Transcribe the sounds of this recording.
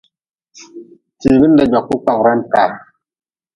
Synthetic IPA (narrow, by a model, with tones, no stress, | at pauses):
ti˨bi˦n˦da˨d͡ʒa˨kːu˦k͡pa˨kɾa˦nka˨